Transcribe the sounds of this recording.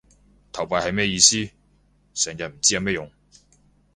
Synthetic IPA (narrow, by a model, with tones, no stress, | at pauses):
t̪ʰɐ˨˩wpaː˨˧jhɐ˨jmɛː˥jiː˧siː˥ | sɛː˨˩ŋjɐ˨˩m̩˨˩t͡siː˥jɐ˨˧mɛː˥jʊ˨ŋ